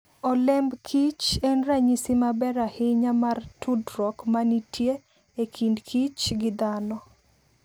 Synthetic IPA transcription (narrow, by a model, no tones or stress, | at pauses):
ɔlɛmbkʰit͡ʃɛnraɲisimabɛɾahɪɲamartudrɔkmanitʰje | ekʰindkʰit͡ʃɡɪd̪anɔ